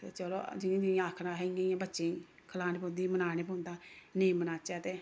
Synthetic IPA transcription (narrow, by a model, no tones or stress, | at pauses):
t̪eːt͡ʃəlo̰ːd͡ʒɪĩːd͡ʒɪĩaːkʰnãːɦɛẽãːbətːʃẽː | kʰəlaːneːp̬õnd̪iːmənaːneːpõːnd̪aːneĩːmənaːt͡ʃɛːt̪eː